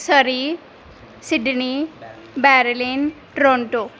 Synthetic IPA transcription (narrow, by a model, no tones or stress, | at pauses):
səɾi | siɖni | bɛɾlin | ʈɾoɳʈo